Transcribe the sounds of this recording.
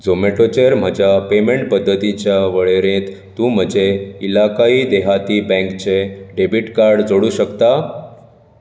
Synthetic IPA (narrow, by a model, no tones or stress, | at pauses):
d͡zomeʈot͡ɕeɾm̤əd͡ʑjapemeɳʈ̚pəd̪ʱːət̪it͡ɕjaʋəɭeɾẽt̪ːũːm̤əd͡ʑeilakaiːd̪eɦat̪iːbɛ̃ŋkt͡ɕeɖebiʈkaɾɖd͡zoɽuːɕəkt̪a